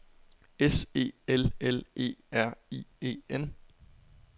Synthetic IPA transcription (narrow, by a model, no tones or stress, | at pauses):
ese̝̰ːelele̝̰ːæɐ̰iːe̝̰ːen